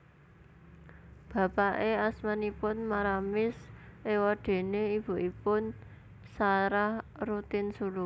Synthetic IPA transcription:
b̥ä̤paʔeasmanipʊnmaɾamɪsʔewɔɖ̪̥e̤neib̥ṳʔipʊn | saɾahrut̪ɪnsulu

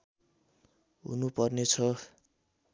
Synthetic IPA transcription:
ɦṵnupʌrnet͡sʰʌ

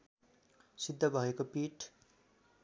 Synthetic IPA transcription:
sid̪ʱːʌbʱʌekopiʈ

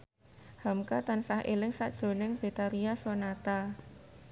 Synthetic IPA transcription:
hamkat̪ansahʔelɪŋsa̰ʔdʒ̥o̤nɪŋb̥e̤t̪aɾiasonat̪a

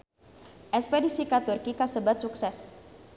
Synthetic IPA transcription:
ʔɛspedisikat̪urkikasəbat̪̚suksɛs

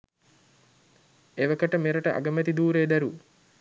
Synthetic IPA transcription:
eʋɐkɐʈəmeɾəʈəʔɐ̰ɡɐmɛt̪id̪uːɾeːd̪æɾu

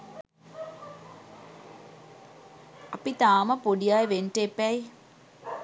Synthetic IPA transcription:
ɐpit̪aːmɐpoɖijaːjʋenʈepɛj

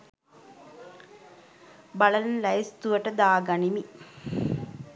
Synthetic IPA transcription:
bɐlɐlɐnlɐjst̪uʋɐʈɐd̪aːɡɐnimi

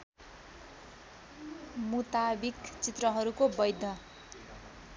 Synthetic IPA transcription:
mut̪abikt͡sit̪rʌɦʌɾukobʌjd̪ʱʌ

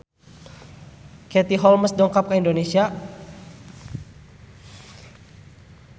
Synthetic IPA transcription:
kɛt̪iɦɔlməsdɔŋkap̚kəindonesia

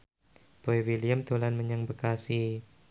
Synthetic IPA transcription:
b̥oewiliamt̪olanməɲaŋbəkasi

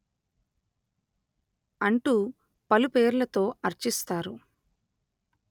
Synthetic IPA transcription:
ɐɳʈu | pɐlupe̞ːɾulɐt̪o̞ːʔɐɾt͡ʃist̪aːɾu

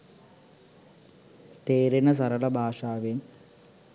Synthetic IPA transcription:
t̪eːɾɐnɐs̬ɐɾɐɭɐbʱaːʂaːʋeːm

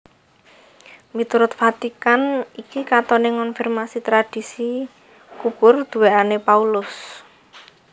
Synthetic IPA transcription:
mit̪uɾʊt̪fat̪ikanikikat̪ɔneŋɔnfirmasit̪ɾad̥i̤si | kupʊrd̪̥ṳweʔanepaulʊs

